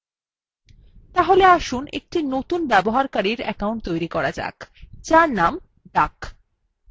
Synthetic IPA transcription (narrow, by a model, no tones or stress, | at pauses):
t̪aɦoleaʃunʔḛk̚ʈinot̪unbɛboɦaɾkaɾiɾɛ̰kauɳʈ̚t̪ojɾikɔɾad͡ʑa̰kt͡ɕaɾnam | ɖak